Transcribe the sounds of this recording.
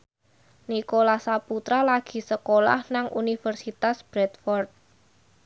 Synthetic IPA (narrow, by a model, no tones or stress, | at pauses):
nikolasaput̪ɾalaɡ̥i̤səkola̰hnaŋʔunifərsit̪asb̥ɾɛt̪fɔrt̪̚